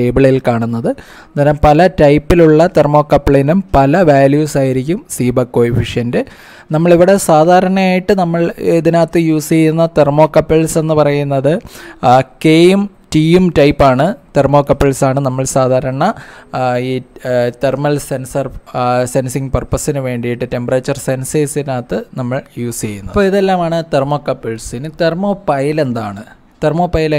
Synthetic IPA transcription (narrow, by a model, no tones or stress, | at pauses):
eːbiɭɐjilkaːɳunːɐðɨ | nɐɾɐmpɐlɐtɐjpːiluɭːɐt̪ermo̞ːkːɐpːɭeːnumpɐlɐʋaːljuːsaːjiɾikʲːumsiːbɐkːo̞ːjifiʂjɐnde | nɐmːɐɭiʋiɽe̞saːd̪ʱaːɾɐɳɐmaːjiʈːɨnɐmːɐɭeðinaːt̪ːɨjuːsijunːɐt̪ermo̞ːkːɐpːeɭse̞nːɨpɐrɐjunːɐðɨ | kejum | tiumtɐjpːaːɳɨt̪ermo̞ːkːɐpːeɭsaːɳɨnɐmːɐɭsaːd̪ʱaːɾɐɳɐ | iːt̪ermɐlsensɐrsensiŋpɐrpːɐsinɨʋe̞ːɳɖijiʈːɨte̞mpɐrɐt͡ɕːɐrsenseːsiðnaːt̪ːɨnɐmːɐɭjuːst͡ɕejːunːɐpːoːiðelːaːmaːɳɨt̪ermo̞ːkːɐpːeɭsinɨt̪ermo̞ːpɐjile̞nd̪a̰ːɳɨ | t̪ermo̞ːpːɐjil